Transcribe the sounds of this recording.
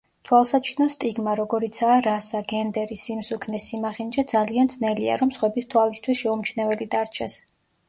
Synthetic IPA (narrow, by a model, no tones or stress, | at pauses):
t̪ʰwalˠsat͡ʃʰinɔst̪ʼiɡmaɾɔɡɔɾit̪sʰaːɾasaɡɛnd̪ɛɾisimsukʰnɛsimaχind͡ʒad̪zaliand̪znɛlia̰ɾɔmsχwɛbist̪ʰwalist̪ʰwisʃɛumt͡ʃʰnɛvɛlid̪aɾt͡ʃʰɛs